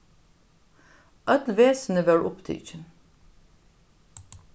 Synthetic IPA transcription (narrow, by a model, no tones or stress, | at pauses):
ʔœd̪lʋeːsnəʋæɹʔʊpt̪ʰɪ̰ːt͡ʃən